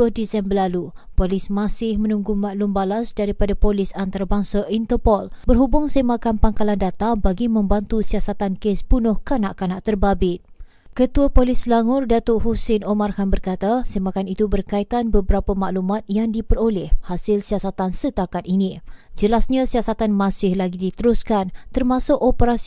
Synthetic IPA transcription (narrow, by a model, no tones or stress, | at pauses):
bʊhdisɛmbərlalupolɪsmãsɪhmə̃nũŋɡumaʔlumbalasdaɾipadapolɪsant̪aɾabaŋsaʔint̪əpɔlbərɦubʊŋsəmakanpaŋkalandat̪abaɡimə̃mbant̪usiasat̪ankesbunʊhkanaʔkanaʔt̪ərbabɪt̪̚ | kət̪uapolislaŋʊrdat̪oʔɦusɪnomarhanbərkat̪asemakanit̪ubərkait̪anbəbəɾapamaʔlumat̪̚jaŋdipərolɛhhasɪlsiasat̪ansət̪akat̪̚inĩd͡ʒəlasɲãsiasat̪anmãsɪhlaɡidit̪əɾuskant̪ərmãsʊkopəɾas